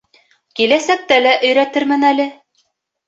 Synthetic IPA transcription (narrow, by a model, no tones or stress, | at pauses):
kilæsæk̚t̪ælæʔɵ̆jɾæt̪ɘɾmɘnælɘ